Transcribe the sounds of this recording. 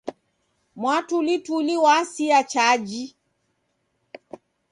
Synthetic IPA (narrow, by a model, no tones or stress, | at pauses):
mwatulituliwasiat͡ʃad͡ʒi